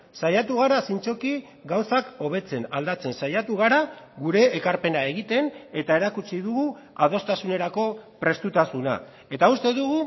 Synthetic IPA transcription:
sajat̪uɣ̞aɾasint͡ʃo̞ki | ɡawsako̞β̞e̞t͡se̞nald̪at͡se̞nsajat̪uɣ̞aɾaɣuɾe̞ːkaɾpe̞nae̞ɣit̪e̞ne̞t̪ae̞ɾakut͡siðuɣu | að̞o̞st̪asune̞ɾako̞pɾe̞st̪ut̪asuna̰ | e̞t̪aust̪e̞ðuɣu

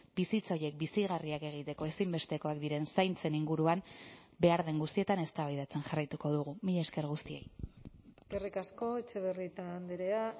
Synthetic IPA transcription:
bisit͡so̞je̞k̚bisiɣ̞ariake̞ɣ̞it̪e̞ko̞e̞simbe̞st̪e̞ko̞ak̚d̪iɾe̞nsajnt͡se̞niŋɡuɾuam | be̞aɾðe̞ŋɡust̪ie̞t̪ane̞st̪aβajðat͡se̞nʝarajt̪uko̞ðuɣumiʎaeske̞ɾɣ̞ust̪ie̞̰j | ɡerikasko̞et͡ʃeβerit̪aːnd̪eɾea

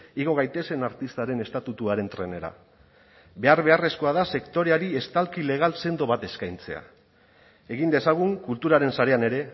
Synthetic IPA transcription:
iɣ̞o̞ɣajt̪e̞se̞naɾt̪ist̪aɾe̞ne̞st̪at̪ut̪uaɾe̞nt̪ɾe̞ne̞ɾa̰ | βe̞aɾβe̞are̞sko̞aðase̞kt̪o̞ɾeaɾie̞st̪alkile̞ɣ̞alse̞nd̪o̞βat̪e̞skajnt͡se̞a̰ | e̞ɣind̪e̞saɣ̞uŋkult̪uɾaɾe̞nsaɾe̞ane̞ɾe̞

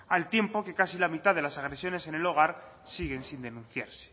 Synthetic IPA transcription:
alt̪je̞mpo̞kekasilamit̪aðe̞lasaɣ̞ɾesjo̞ne̞se̞ne̞lo̞ɣ̞aɾsiɣe̞nsind̪e̞nũnθjaɾse̥

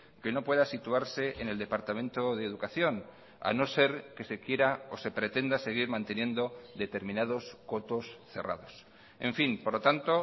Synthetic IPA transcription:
ke̞no̞pwe̞ðasit̪uaɾse̞ʔene̞ld̪e̞paɾt̪amẽnt̪oðeːðukaθjo̞n | a̰no̞se̞ɾke̞se̞kje̞ɾaose̞pɾe̞t̪e̞nd̪ase̞ɣ̞iɾmãnt̪e̞njẽ̞nd̪o̞ðe̞t̪e̞ɾmĩnað̞o̞sko̞t̪o̞sθe̞̰ra̰ð̞o̞s | e̞̰ɱfinpoɾlot̪ant̪o̞

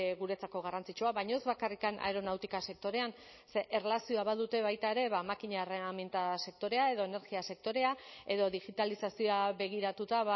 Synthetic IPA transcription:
ɣuɾe̞t͡sako̞ɣ̞arant͡sit͡ʃuaβajɲo̞zβakarikanʔa̰eɾo̞nawt̪ikase̞k̚t̪o̞ɾe̞an | seʔerelasio̞aβaðut̪e̞βajt̪ae̞ɾe̞βamakiɲareament̪ase̞k̚t̪o̞ɾe̞ae̞ðo̞ene̞ɾɣiase̞k̚t̪o̞ɾe̞ae̞ðo̞ðiɣit̪alisasioaβe̞ɣ̞iɾat̪ut̪aβa

